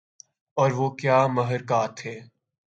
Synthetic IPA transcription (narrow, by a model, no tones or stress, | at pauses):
ɔːɾʋoːkjaːmɐɦəɾkaːt̪ɦeː